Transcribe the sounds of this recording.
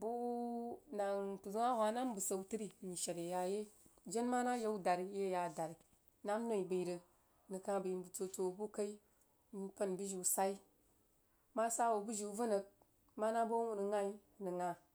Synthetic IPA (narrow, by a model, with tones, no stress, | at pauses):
bu˦u˦na˨ŋtu˨zu˦a˦wa˨˦na˦m˦bu˨sə˨u˦ti˦ɾi˦˨ɲi˨ʃa˨ɾe˨ja˨je˦d͡ʒe˦nma˦na˦je˦u˦da˨ɾi˦je˦ja˨da˨ɾi˨ | na˦m˦no˦˨i˨bi˨i˨ɾə˨ | nɨ˨kã˦bi˨bu˨t͡so˨t͡so˨bu˦ka˦i˦ | ni˨pə˦˨nbi˦ʒi˨u˨sa˦i˦ | ma˦sa˦wo˨bu˦ʒi˨u˦və˦nə˨k̚ | ma˦na˦bo˦u˦˨nə˨ŋa˦i˦nə˨ŋa˨